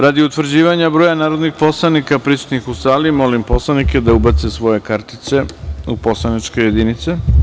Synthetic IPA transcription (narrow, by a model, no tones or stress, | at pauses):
ɾad̪iut̪ʋrd͡ʑiːʋaɲabɾoːjanaːɾod̪nixpo̞slˠanikapɾisu̥t̪nixusaːlimo̞limpo̞slˠaniked̪aubat̪sesʋo̞je̞kaɾt̪i̥t̪se̞upo̞slanit͡ʃkoje̞d̪init̪se̞